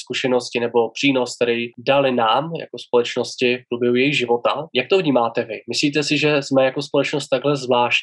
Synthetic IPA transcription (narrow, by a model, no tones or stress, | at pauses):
skuʃɛno̞scɪnɛbo̞pr̝̥iːno̞skt̪ɛɾɛjdalɪnaːmja̰ko̞spo̞lɛt͡ʃno̞scɪfpɾobjɛɦujɛjiɣʒɪvo̞t̪ajak̚t̪ovɲiːmaːt̪ɛvɪmɪsliːt̪ɛsɪʒɛzmɛjako̞spo̞lɛt͡ʃno̞st̪ːaɡɦlɛzvlaːʃc